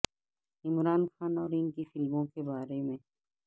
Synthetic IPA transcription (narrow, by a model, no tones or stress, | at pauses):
ɪmɾaːnxaːnɔːɾɪnkifɪlmõkebaːɾemẽː